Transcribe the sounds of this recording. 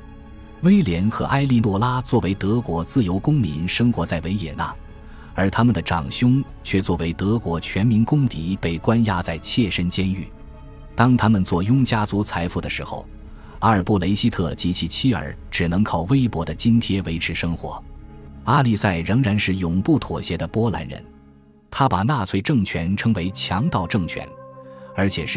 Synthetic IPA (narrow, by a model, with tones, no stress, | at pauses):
we˥ɪljɛ˧˥nxɤ̰˧˥ʔa˥˧ɪli˥˧lwɔ˥˩la˥t͡swɔ˥˩we˧˥ɪt̪ɤ˧˥kwɔ˧˥t͡sɹ̩˥˩jo˧˥ʊkʊ˥ŋmi˧˥nʂɤ˥ŋxwɔ˧˥t͡sa˥˩ɪwe˧˥ɪjɛ˨˩na̰˥˩ | ə˞˧˥t̪ʰa˥mə˨nd̪ə˩ʈ͡ʂɑ̰˨˩ŋɕjʊ˥ŋ | t͡ɕʰɥɛ˥˧t͡swɔ˥˩we˧˥ɪt̪ɤ˧˥kwɔ˧˥t͡ɕʰɥɛ˧˥nmi˧˥nkʊ˥ŋt̪i˧˥pe˥˩ɪkwa˥nja˥t͡sa˥˩ɪt͡ɕʰjɛ˥˩ʂə˥nt͡ɕjɛ˥ny̰˥˩ | t̪ɑ˥ŋt̪ʰa˥mə˨nt͡swɔ˥˩jʊ˥ŋt͡ɕja˥t͡su˧˥t͡sʰa˧˥ɪfu˥˩d̪ə˩ʂɻ̩˧˥xo̰˧˩ʊ | a˥ə˞˨˩pu˥˩le˧˥ɪɕi˥t̪ʰɤ˥˩t͡ɕi˧˥t͡ɕʰi˥˩t͡ɕʰi˥ə̰˞˨˩˥ | ʈ͡ʂɻ̩˨˩nɤ˧˥ŋkʰɑ˨˩ʊwe˥ɪpwɔ˧˥d̪ə˧t͡ɕi˥nt̪ʰjɛ˥we˧˥ɪʈ͡ʂʰɻ̩˧˥ʂɤ˥ŋxwɔ̰˧˥a˥˧li˥˧sa˥˩ɪɻɤ˧˥ŋɻa˧˥nʂɻ̩˥˩jʊ˨˩ŋpu˥˩t̪ʰwɔ˨˩ɕjɛ˧˥d̪ə˨pwɔ˥la̰˧˥nɻə̰˧˥n | t̪ʰa˥pa˨˩na˥˧t͡sʰwe˥ɪʈ͡ʂɤ˥˩ŋt͡ɕʰɥɛ˧˥nʈ͡ʂʰɤ˧˥ŋwe˧˥ɪt͡ɕʰjɑ˧˥ŋt̪ɑ˥˧ʊʈ͡ʂɤ˥˩ŋt͡ɕʰɥɛ̰˧˥nə˞˧˥t͡ɕʰjɛ˨˩ʂɻ̩˥˩